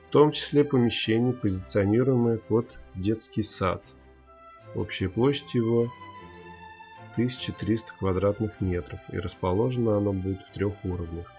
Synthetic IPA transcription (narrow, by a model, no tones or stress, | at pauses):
ft̪o̞mt͡ɕɪ̥sʲlʲe̞pəmʲɪɕːenʲɪjəpəzʲɪt̪sɨɐnʲiɾʊjɪməjəpo̞t̪dʲe̞t̪skʲɪjsa̰t̪ | o̞̰pɕːɪjəplˠo̞ɕːɪtʲɪjɪvo̞ | t̪ɨsʲɪ̥t͡ɕɪt̪ɾʲist̪ə̥kvɐd̪ɾat̪nɨxmʲe̞t̪ɾəfḭɾəspɐlˠo̞ʐənəɐno̞budʲɪt̪ft̪ɾʲoxuɾəvnʲəx